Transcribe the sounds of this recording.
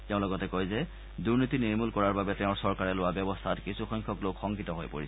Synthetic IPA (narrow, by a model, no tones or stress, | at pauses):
tɛʊ̃lɔɡɔtɛkɔjzɛ | duɹnitiniɹmulkɔɹaɹbabɛtɛʊ̃ɹsɔɹkaɹɛlʊwabjɔbɔstʰatkisuxɔŋkʰɔklokxɔŋkitɔɦojpo̰ɹisɛ